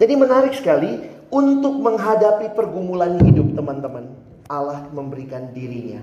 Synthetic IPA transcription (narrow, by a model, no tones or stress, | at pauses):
d͡ʒadimənaɾɪksə̥kali | unt̪ʊk̚məŋɦadapipərɡumulanhidʊp̚t̪əmant̪əmən | alahməmbəɾikandiɾiɲa̰